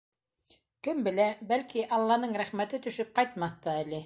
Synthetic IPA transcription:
kɘmbɘ̆læbælkiʔɑlˠːɑnɤɴɾæχmæt̪ɘt̪ɵ̆ʃɵp̚qɑjt̪̚mɑθt̪ɑælɘ

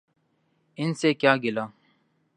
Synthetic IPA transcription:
ɪnseːkjaːɡɪlaː

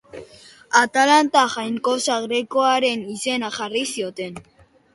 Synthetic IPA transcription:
at̪alant̪axajŋko̞saɣɾekoaɾe̞nise̞naʝarisio̞t̪e̞n

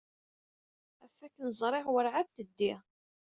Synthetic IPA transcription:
æfækːnəzˤɾˤɪʁwəɾʕab̚t̪əd̪ːi

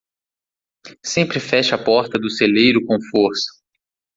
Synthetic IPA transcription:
sẽmpɾɪfɛʃɐpɔɾt̪ɐd̪ʊselejɾʊkõw̃foɾsɐ̥

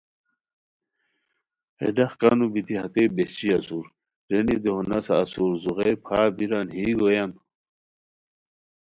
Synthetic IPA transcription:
ḛɖɐχkanubit̪iɦɐt̪ebet͡ɕiɐsuɾ | ɾenid̪eɦonɐsaːsuɾzuɣejpʰaːbiɾanhiːɡojan

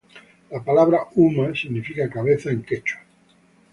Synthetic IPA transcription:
lapalaβɾaumasiɣnifikakaβ̞eθaeŋket͡ʃo̥

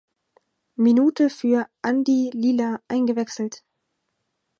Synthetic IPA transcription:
minuːtəfyːɐʔandiliːlaʔaɪnɡəvɛksl̩t

